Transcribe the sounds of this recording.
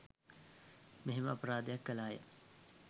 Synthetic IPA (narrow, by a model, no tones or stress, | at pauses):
meɦeməɐpəɾaːd̪əjakːɐlaːjə̰